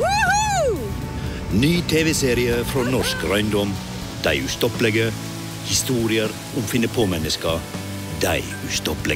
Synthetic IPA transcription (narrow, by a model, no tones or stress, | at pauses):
nyːt̪ʰeːʋɛseːɾɪəfɾoːnɔʃkɾæɪnd̪ɔm | d̪̥æɪʉːst̪ɔplɛɡə | hɪst̪uːɾɪəɾ | ʔʊmfɪnəpʰoːmɛnəskɑ | d̪æɪ | ʉːst̪ɔplɛ